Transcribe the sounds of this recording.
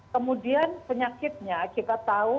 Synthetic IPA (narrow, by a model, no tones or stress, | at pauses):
kəmudianpəɲakɪt̪̚ɲakit̪at̪au